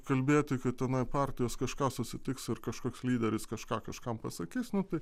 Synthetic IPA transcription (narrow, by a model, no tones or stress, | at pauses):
kɐlʲbʲeːt̪ʲɪkɐt̪ʲɛnɐɪpɑːrʲt̪ʲɪjoːskɐʃkɑːsʊsʲɪt̪ʲɪksɪrkɐʃkoːkslʲiːd̪ʲɛɾʲɪskɐʃkɑːkɐʃkɐmpɐsɐkʲiːsnʊt̪ɐɪ